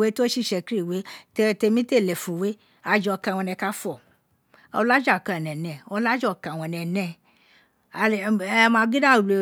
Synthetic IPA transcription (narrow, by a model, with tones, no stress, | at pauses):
we˨˦to˦ʃi˦˨ʃɛ˧ki˦ɾi˦˨we˨˦te˧te˧mĩ˦te˦˨lɛ˨fũ˨we˨˦ | a˨˧d͡ʒɔ˧˨˧kã˨˧˨w̃ɔ̃˧nɛ̃˧ka˦fɔ˦˨ | ɔ˧la˦d͡ʒa˦˨kã˨nɛ̃˨nɛ̃˨ɔ˧la˦d͡ʒɔ˦˨kã˨w̃ɔ̃˧nɛ̃˧nɛ̃˧˨˧ | mã˧ɡi˦dã˦˨le˨